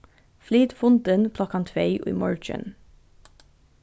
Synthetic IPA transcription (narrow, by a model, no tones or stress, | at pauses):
fliːd̪fʊnd̪ənpʰlɑkʰɑnt̪ʰʋeɪʔḭːmɑ̰ɹt͡ʃə̰n